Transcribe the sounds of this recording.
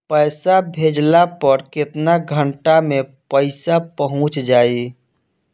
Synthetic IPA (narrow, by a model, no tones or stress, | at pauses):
pəːsabʱed͡ʒlapəɾkɪt̪naɡʱəɳʈamẽpəɪsapəɦʊ̃t͡ʃd͡ʒaːi